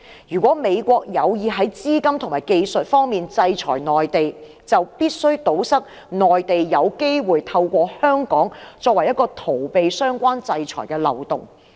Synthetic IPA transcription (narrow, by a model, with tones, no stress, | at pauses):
jyː˨˩kʷɔː˨˥me˨˧jkʷɔː˧k̚jɐ˨˧wjiː˨˧ɦɐ˨˥jt͡siː˥kɐ˥mt̪ʰʊ˨ŋmaː˨˩jke˧jsɵ˨t̚fɔː˥ŋmiː˨nt͡sɐ˧jt͡sʰɔ̰ː˨˩jnɔː˨˩jt̪e˨j | t͡sɐ˨wpiː˥t̚sɵ˥ɥt̪o˨˥wsɐ˥k̚ | nɔː˨jt̪e˨jjɐ˨˧wke˥jwuː˨˩jt̪ʰɐ˧wkʷɔː˧hœː˥ŋkɔː˨˥ŋt͡sɔː˧k̚wɐ˨˩jːɐ˥t̚kːɔː˧t̪ʰo˨˩wpe˨jsœː˥ŋkʷaː˥nt͡sɐ˧jt͡sʰɔ̰ː˨˩jkɛː˧lɐ˨˩wt̪ʊ˨ŋ